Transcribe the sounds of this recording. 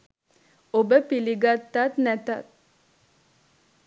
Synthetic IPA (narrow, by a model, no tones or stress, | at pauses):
obəpiliɡat̪ːat̪næt̪a̰t̪̚